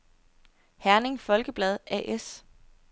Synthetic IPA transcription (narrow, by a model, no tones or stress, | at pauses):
hæɐne̝ŋfɒ̽lɡ̥əb̥lɛð̞̩ˠæʔes